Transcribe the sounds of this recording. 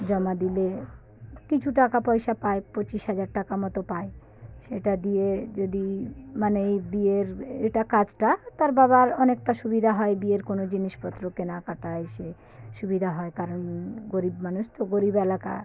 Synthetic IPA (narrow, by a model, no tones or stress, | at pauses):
d͡ʑɔmad̪ile | kit͡ɕʰuʈakapɔjʃapaepot͡ɕiʃɦad͡ʑaɾʈakamɔt̪opae | ʃeʈad̪ied͡ʑod̪imanejbieɾḛjʈakad͡ʑʈat̪aɾbaβaɾɔnek̚ʈaʃubid̪ʱaɦɔebieɾkonod͡ʑiniʃpɔt̪ːɾokenakaʈaeʃe | ʃubid̪ʱaɦɔekaɾonɡoɾibmanuʃt̪oɡoɾibelaka̰